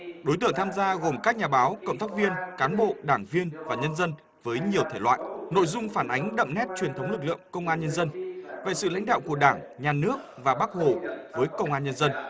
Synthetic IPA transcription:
ɗo˨˦jt̪ɨ̰˧˨əŋt̪ʰaː˧mzaː˧ɣo˨˩mkaː˦˥k̚ɲaː˨˩ɓaː˨˦wkə̰˧˨ŋ͡mt̪aː˦˥k̚vi˧ənkaː˨˦nɓo̰˧˨ɗaː˧˩ŋvi˧ənvaː˨˩ɲə˧nzə˧n | vəː˨˦jɲi˨˩əwt̪ʰe˧˩lwa̰ː˧˨jʔno̰˧˨jzʊ˧ŋ͡mfaː˧˩nʔa˨˦jŋ̟ɗə̰˧˨mnɛ˦˥t̚t͡ɕwi˨˩ənt̪ə˨˦wŋ͡mlɨ˨˩k̬̚lɨ̰˧˨əŋkə˧wŋ͡mʔaː˧nɲə˧nzə˧nvḛ˧˨sɨ̰˧˨la̰˧˥jŋ̟ɗa̰ː˧˨wku˧˩əɗaː˧˩ŋ | ɲaː˨˩nɨ˦˥ək̚vaː˨˩ɓaː˦˥k̚ho̰˧˨˩vəː˨˦jkə˧wŋ͡mʔaː˧nɲə˧nzə˧n

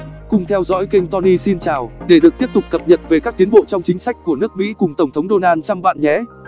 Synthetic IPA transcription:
kʊ˨˩ŋ͡mt̪ʰɛ˧wzɔ̰˧˥jki˧ŋ̟t̪ɔ˧ni˧si˧nt͡ɕaː˨˩wɗe˧˩ɗɨ˨˩ək̚t̪i˦˥əp̚t̪ʊ˨˩k͡p̚kə˨˩p̚ɲə̰˨n̚ve˨˩kaː˦˥k̚t̪i˨˦ənɓo̰˧˨t͡ɕɔ˧wŋ͡mt͡ɕï˨˦ŋ̟sa˦˥jk̟̚kːu˧˩ənɨ˦˥ək̚mḭ˧˥kʊ˨˩ŋ͡mt̪ə˧˩ŋ͡mt̪ʰə˨˦wŋ͡mɗo˧naː˧nt͡ɕa˧mɓa̰ː˧˨nɲɛ̰˧˥

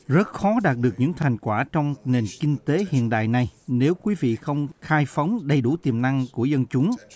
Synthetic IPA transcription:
zə˦˥t̚xɔ˨˦ɗaː˨˩t̚ɗɨ˨˩ək̚ɲɨ̰˧˥ŋt̪ʰa˨˩jŋ̟kwaː˧˩t͡ɕɔ˧wŋ͡mne˨˩nkï˧ŋ̟t̪e˨˦hḭ˧˨ənɗa̰ː˧˨jna˨˩jne˨˦wkwi˨˦vḭ˧˨xə˧wŋ͡mxaː˧jfə˨˦wŋ͡mɗə˧jɗu˧˩t̪i˨˩əmna˧ŋku˧˩əzə˧nt͡ɕʊ˨˦ŋ͡m

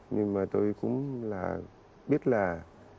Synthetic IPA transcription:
ɲɨ˧ŋmaː˨˩t̪o˧jkʊ̰˧˥ŋ͡mlaː˨˩ | ɓi˦˥ət̚laː˨˩

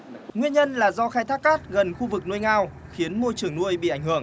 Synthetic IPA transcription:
ŋwi˧ənɲə˧nlaː˨˩zɔ˧xaː˧jt̪ʰaː˦˥k̚kaː˦˥t̚ɣə˨˩nxu˧vɨ˨˩k̚nu˧əjŋaː˧w | xi˨˦ənmo˧jt͡ɕɨ˨˩əŋnu˧əjɓḭ˧˨ʔa˧˩ŋhɨ˧˩əŋ

